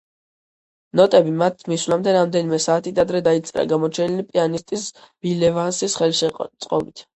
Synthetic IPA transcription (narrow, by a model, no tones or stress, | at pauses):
nɔt̪ʼɛbimat̪ʰmiswlamd̪ɛɾamd̪ɛnimɛsaːt̪ʰid̪ad̪ɾɛd̪ait̪sʼɾa̰ɡamɔt͡ʃʰɛnilipʼianist̪ʼis | b̥ilɛvansisχɛlʃɛt̪sʼqʼɔ̰bit̪ʰ